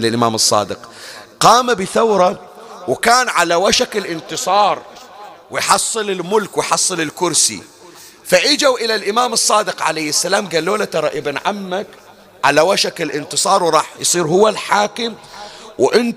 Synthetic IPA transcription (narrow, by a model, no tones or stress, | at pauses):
lɪlʔɪma̰ːmɨsˤːɑ̰ːd̪ɪqqɑːmabɪθawɾˤɑ | wkaːnʕalawaʃakɪlʔɪnt̪ɨsˤɑːɾˤ | wɪjħɑsˤːɨlɪlmʊlkwɪjħɑsˤːɨlɪlkʊɾsḭ | faʔɪd͡ʒawʔɪlalʔɪmaːmɨsˤːɑːd̪ɪqʕa̰lajɪsːalaːmɡalːoːlat̪ɑɾˤɑʔɪbnʕamːak | ʕalawaʃakɪlʔɪnt̪ɨsˤɑːɾˤwɾˤɑːħjsˤiːɾhʊwːalħaːkɪmwʔɪn